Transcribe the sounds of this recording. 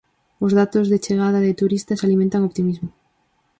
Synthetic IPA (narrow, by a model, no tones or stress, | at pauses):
ʊzðat̪ʊzðet͡ʃeɣ̞aðaðɪt̪uɾist̪ɐsalimẽnt̪aŋopt̪imizmʊ